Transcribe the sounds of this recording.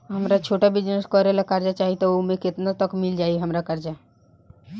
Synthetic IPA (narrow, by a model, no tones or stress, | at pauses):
ɦəmɾat͡ʃʰoːʈabɪd͡ʒnəskɔɾelakaɾd͡ʒat͡ʃaːɦit̪ɔomẽkɪt̪nat̪əkmɪld͡ʒaːiɦəmɾakaɾd͡ʒa